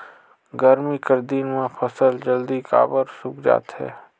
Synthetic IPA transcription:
ɡəɾmikəɾd̪iːnmãpʰəsəld͡ʒəld̪ika̰ːbəɾsʊkd͡ʒa̰ːt̪hɛ̰ː

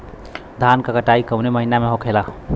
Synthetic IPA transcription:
d̪ʱankəkəʈaikəwneməɦinameɦokʰela

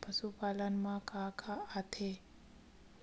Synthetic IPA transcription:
pʰəsupʼalanmãkʼakʰaat̪ʰe

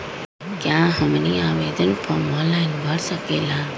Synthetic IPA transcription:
kjãːɦəmniaːʋeːd̪ənpʰɔːɾmɔːnlaɪnbʱəɽsəkeːlaː

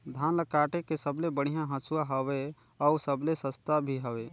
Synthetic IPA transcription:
d̪ʱaːnləkaːʈekesəblebəɽ̤ijãɦə̃suaɦəwe | ɔʊsəblesəst̪abʱiɦəʋeː

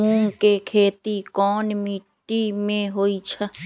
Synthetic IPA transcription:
uːŋkekʰeːt̪ikɔːnmiːʈːimẽɦoːit͡ʃʰɐ

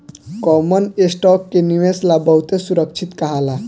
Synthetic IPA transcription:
kɔmənesʈɔkːeniʋeslabəɦut̪esuɾək̚t͡ʃʰit̪kəɦala

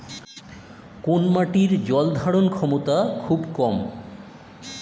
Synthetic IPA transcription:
konmaʈiɾd͡ʑɔld̪ʱaɽonkʰɔmot̪akʰubkɔm

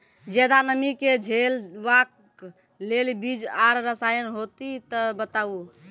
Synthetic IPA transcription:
d͡ʒɛd̪anəmiked͡ʒʱelʋak | lelbid͡ʒaɾɾəsajənɦot̪it̪əbət̪au

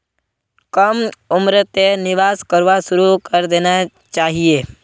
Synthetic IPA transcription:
kəmʊmɾət̪enɪʋaːskəɾʋaʃʊɾukəɾd̪eːna | t͡ʃaːɦieː

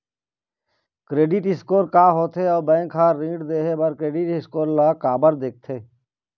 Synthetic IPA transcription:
kɾeːɖɪʈɦɪskoːɾkaːɦoːt̪ʰeɔːɾbɛ̃ːkʰɦaːɾĩːɖd̪eːɦeːbəɾkɾeːɖɪʈɪskoːɾlaːkaːbəɾd̪eːk̚t̪ʰeː

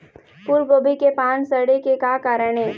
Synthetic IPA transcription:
puɾɡoːbikepaːnsəɾɽekekaːkaːɾəɽ̃eː

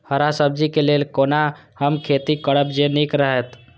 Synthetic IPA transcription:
həɾasəb̚d͡ʒikelelkonahəmkʰet̪ikəɽəbd͡ʒenikɾəɦɛt̪

